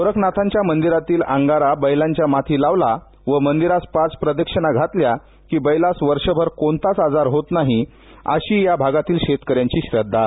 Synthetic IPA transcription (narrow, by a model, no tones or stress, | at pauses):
soɾəknat̪ʰãɲt͡ɕjamənd̪iɾat̪iːlãŋɡaɾabəjlaɲt͡ɕjamat̪ʰiːlaʋla | ʋəmənd̪iɾaspat͡spɾəd̪əkʂənaɡʱat̪lja | kiːbəjlasʋəɾʂəbʱəɾkont̪at͡sad͡zaɾɦot̪naɦi | ə̰ɕiːjabʱaɡat̪iːlɕet̪kəɾjaɲt͡ɕiːɕɾəd̪ʱːa